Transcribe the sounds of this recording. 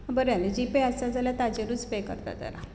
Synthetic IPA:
bəɾjaned͡ʑipeast̪ad͡zʱaljat̪ad͡ʑeɾud͡zpekə̰ɾt̪a̰t̪ə̰ɾa̰

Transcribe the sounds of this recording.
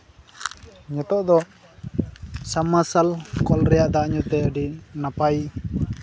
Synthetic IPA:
ɲɔt̪ɔʔd̪ɔ | samːasalkɔlɾɛjaʔd̪aʔɲut̪ɛəɖinapaj

